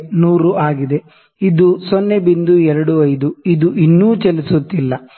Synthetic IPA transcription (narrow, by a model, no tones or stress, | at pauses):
nuːɾuaːɡid̪e̞ | id̪usɔnːebind̪uɛɾɐɽuɐjd̪uid̪uʔinːuːt͡ʃɐlisut̪ːilːɐ